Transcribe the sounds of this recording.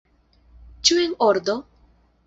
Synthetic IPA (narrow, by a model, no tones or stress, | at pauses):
t͡ʃuenoɾd̪o